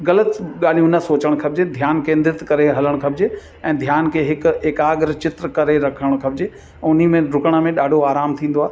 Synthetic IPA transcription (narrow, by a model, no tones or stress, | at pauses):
ɣɐlət̪ɠaːl̤iũnəsoːt͡ɕəɽ̃kʰɐb̚d͡ʑed̪ʱjaːnkẽːnd̪ɪɾɪt̪kɐɾeɦɐləɽ̃kʰɐb̚d͡ʑe | ɛ̃ːd̪ʱjaːnkʰeɦɪkɪkaːɡɾt͡ɕɪt̪ɾəkɐɾeɾɐkʰəɽ̃kʰɐbd͡ʑe | ɛ̃ʊnimẽɾʊkəɽ̃ə̆mẽɗaːɖʱoaːɾaːmt̪ʰĩːn̆d̪oaːɦe